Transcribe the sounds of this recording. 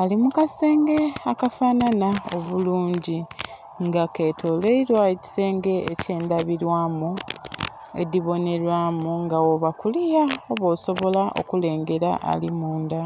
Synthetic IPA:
alimukase̞ːŋɡe̞akafananao̞̰βuluːɲɟi | ŋɡake̞ːtʰo̞leiɾwaci̥se̞ːŋɡeece̞ːndaβiɾwaːmu | ḛdiβo̞ne̞ɾwaːmuŋɡawoβakulijaoβo̞ːso̞βo̞laʔo̞̰kule̞ːŋɡe̞ɾa̰ʔa̰limuːnda

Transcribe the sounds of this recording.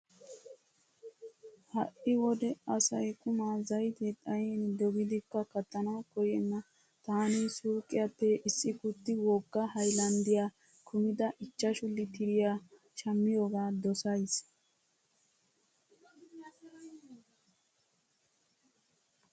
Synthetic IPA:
hɐ̰ʔɪwɔd̪ɛɐsɐjkʰʼʊmaːzɐjt̪et̪ʼɐjɛnd̪ɔɡɪd̪ɪkːɐkɐt̪ːɐnakɔjɛnːɐ | t̪aːnisuːɾkʼːɪjɐpːɛʔɪsːɪkʊt̪ːɪwɔɡːɐhɐjlɐnd̪ɪjaː | kʰʊmɪd̪ɐʔɪt͡ʃːɐʃʊlːɪt̪ɪɾɪjaː | ʃɐmːɪjoːɡaːd̪ɔsɐjs

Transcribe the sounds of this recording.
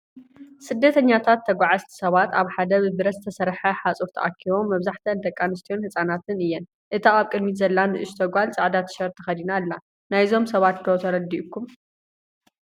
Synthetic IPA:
sɨd̪ːɐt̪ʰɐɲːat̪ʰat̪ʰːɐɡʷaʕazt̪ʰi̥sɐβat̪aβħad̪ɐβɨbɨɾɐzɨ̥t̪ʰɐsɐɾħɐħat͡sʼuɾt̪ʰɐ̰ʔakʰːiβo̞mːɐβzaħt̪ʰɐnd̪ɐkʼːanɨst̪ʰijo̞nhɨsʼanat̪ɨnɨjːɛn | ʔɨt̪ʰaaβkʼɨd̪mizɐlːanɨʔɨʃt̪ʰɐɡʷalt͡sʼaʕd̪at̪ʰʃɐɾt̪ʰɨxɐd̪inalːa | najzo̞msɐβat̪kɐt̪ʰɐɾɐd̪iʔukʰːum

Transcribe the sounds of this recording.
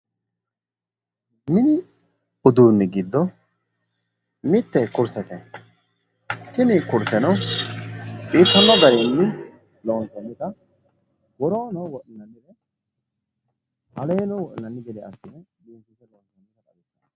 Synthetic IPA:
mɪnɪ | ʊd̪uːnːɪɡɪd̪ːɔ | mɪt̪ːɛkʊɾsɛt̪ɛ | tɪnɪkʊɾsɛnɔ | pʼiːt̪ːɐnːɔɡɐɾɪnːɪ | lɔːnt̪ɛnːɪk̪ɐ | wɔɾoːnɔwɔʔɪnːɐnːɪd̪ɛ | hɐ̰lɛːnɔwɔʔɪ̰nɐnːɪɡɛd̪ɛɐsːɪnɛdiːntɪt̪ːɛlɔːnt̪ɛnːɪkɐkʼɐbɪtːɐ

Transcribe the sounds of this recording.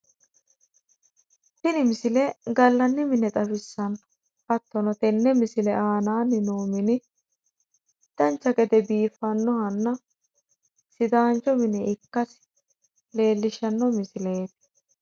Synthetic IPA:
t̪ɪnɪmɪsɪlɛɡɐlːɐnːɪmɪnɛt̪ʼɐfɪsːɐn | kɐt̪ːɔnɔt̪ɛnːɛmɪsɪlɛʔaːnaːnːɪnoːmɪnɪ | t̪ːɐnt͡ʃːɐkɛd̪ɛbiːfɐnːɔhɐnːɐ | sɪd̪aːnt͡ʃɔmɪnɛɪkːɐs | le̞ːlːɪʃɐnːɔmɪsɪleːt̪ɪ̥

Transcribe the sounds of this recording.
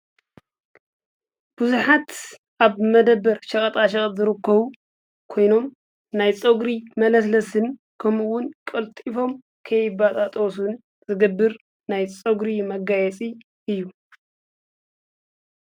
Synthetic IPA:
b̥uzuħat̪ | ʔaβmɐd̪ɐbːɐɾʃɐkʼɐt̪ʼaʃ̬ɐχʼt̪ʼzɨɾɨkʰːɐβu | kʰo̞jno̞m | najt͡sʼɐɡɾimɐlɐslɐsɨn | kʰɐmɨwʊnkʼɐlt̪ʼifo̞m | kʰɐjɪbat̪ʼat̪ʼosun | zɨɡɐbːɨɾ | najt͡sʼɐɡɾimɐɡajɛt͡sʼi | ʔɨjːu

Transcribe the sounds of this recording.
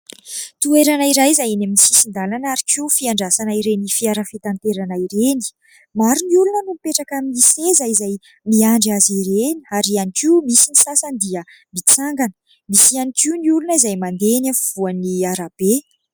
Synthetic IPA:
t̪ueɾanaiɾajzajanaminisisind̪alanaɾikʰiufiaɳɖ͡ʐasanaiɾenifiaɾafit̪ant̪eɾanaiɾeni̥ | maɾiniulunənumipeʈ͡ʂakamiisezajizaj | miaɳɖ͡ʐiaziɾeniaɾianikimisinisasənd̪iə | mit͡saŋɡanə̥ | misianikiuniulunəizajmand̪enafuvuaniaɾab̥e

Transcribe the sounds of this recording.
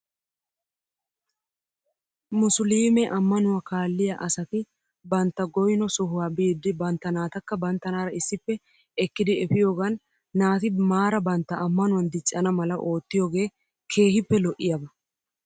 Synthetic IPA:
mʊsliːmɛʔɐmːɐnʊwakaːlːɪjaʔɐsɐt̪ɪ | bɐnt̪ːɐɡɔjnɔsɔɦʊwaːbiːd̪ːɪbɐnt̪ːɐnaːt̪ɐkːɐbɐnt̪ːɐnaːɾɐɪsːɪpːɛ | ɛkːɪd̪ɪɛfɪjoːɡɐnː | aːt̪ɪmaːɾɐbɐnt̪ːɐʔɐmːɐnʊwɐnd̪ɪt͡ʃʼːɐnɐmɐlɐʔo̞ːt̪ːɪjoːɡe̞ː | kʰe̞ːhɪpːɛlɔʔɪjɐbɐ

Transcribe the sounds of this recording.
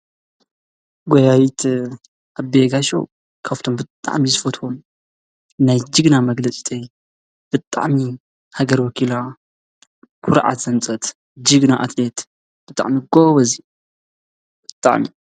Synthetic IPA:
ɡojawit̪ʰ | ʔaβbeɡaʃo̰ | kʰaβt̪ʰombɨt̪ʼa̰ʕmizɨfɐt̪wom | najd͡ʒɨɡnamɐɡlɐt͡sʼi̥t̪ʰʼej | b̥ɨt̪ʼa̰ʕmi | haɡɐɾwɔkʰila | kʰʊɾʕa̰t̪z̥ɐnt͡sʼɐt̪ | d͡ʒɨɡnaʔa̰t̪ʰlet̪ | b̥ɨt̪ʼa̰ʕmiɡoβɐzi | bɨt̪ʼa̰ʕmi

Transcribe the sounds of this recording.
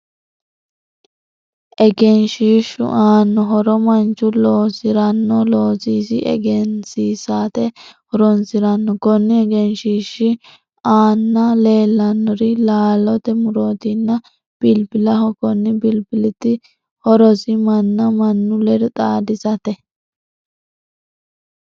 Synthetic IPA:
ʔɛɡɛnʃiːʃʊ̰ʔaːnːɔɦɔɾɔmɐnt͡ʃʊloːsɪɾɐnːɔloːsiːsɪʔɛ̰ɡɛnsiːsaːt̪ɛhɔɾɔnsɪɾɐnːɔkɔnːɪɛɡɛnʃiːʃɪ | aːnːɐle̞ːlːɐnːɔɾɪlaːlɔt̪ɛmʊɾoːt̪ɪnːɐ | b̥ɪlbɪlɐɦɔkɔnːɪbɪlbɪlɪt̪ɪ | hɔɾɔsɪmɐnːɐmɐnːʊlɛɾɛt̪ʼaːd̪ɪzɐt̪ɛ

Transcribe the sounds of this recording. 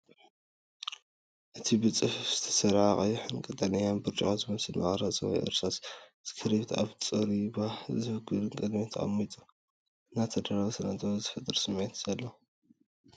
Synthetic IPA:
ʔɨt̪ʰibɨt͡sʼɨffz̥ɨt̪ʰɐ̥sɐɾʕaχʼɐjuħɨnkʼɨt̪ʼɐnijanbɨɾt͡ʃʼakazɨmɐsɨlmɐ̰χɾat͡sʼɐwa̰jʔɨ̰ɾsasz̥ɨ̥kʰɨɾiβt̪ʰa̰βt͡sʼɨɾiβazɨβɨɡɨlɨŋkʼɨd̪mit̪ʰɐχʼɐ̰mːit̪ʼu̥ | ʔɨnːat̪ʰɐd̪ɐɾaβsɐnat̪ʰʼzɨfɐt̪ʼɨɾsɨmet̪ʰz̥ɐlːo

